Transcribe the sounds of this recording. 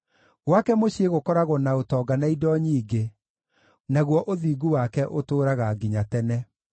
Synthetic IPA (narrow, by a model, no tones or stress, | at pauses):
ɣwakɛmoɕieɣokɔɾaɣɔnaotɔːɡanaidɔɲiːɡe | naɣwɔʔoðiːɡuwakɛʔotoːɾaɣaɡiɲatɛnɛ